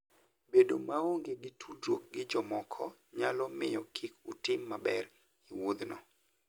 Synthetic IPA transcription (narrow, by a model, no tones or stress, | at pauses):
bedo̰maoŋɡeɡɪtʰudok̚ɡɪd͡ʒɔmɔkʰɔɲalɔmɪjɔkʰikutɪmːabɛr | iwod̪nɔ̰